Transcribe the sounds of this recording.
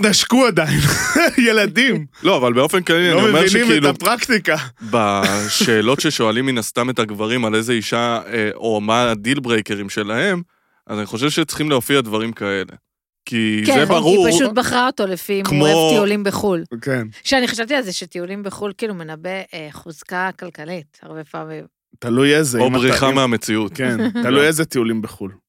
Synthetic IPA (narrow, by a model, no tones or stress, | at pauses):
naʃkuad̪ajinjelad̪imlo̞avalbe̞ofe̞nklalianoiomemiʃneikmiiluapʁakt̪ikabaʃe̞ːlo̞tʃeʃo̞alimːinast̪ame̞t̪aɡvaʁimale̞ze̞iʃaeomadilbʁejke̞ʁimʃe̞laɦe̞m | ʔazaniχo̞ʃ̬e̞vʃet͡sχimleofiadvaʁimkae̞le̞̰ | kizebaʁuʁpaʃut̪̚baχʁaot̪olefimkmoetiulimbeχulkenʃeaniχaʃavt̪ialzeʃet̪iulimbeχulkiːlume̞nabeχuzkakalkalitaʁbepamim | t̪alujezeobʁiχameame̞t͡siut̪kent̪alujezet̪iulimbeχul